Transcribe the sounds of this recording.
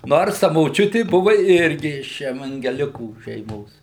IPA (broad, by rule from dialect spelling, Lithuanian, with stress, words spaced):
ˈnoːrs tɐ moːˈt͡ʃʲʊtʲɪ ˈbʊʋʊ ˈɪrʲɡʲɪ ɪʃ ɛʋɐŋʲɡʲɛˈlʲɪkuː ʃʲɛɪˈmoːs